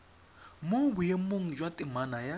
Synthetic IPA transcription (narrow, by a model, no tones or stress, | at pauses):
mobujemoŋ̩d͡ʒwatʼɪmanaja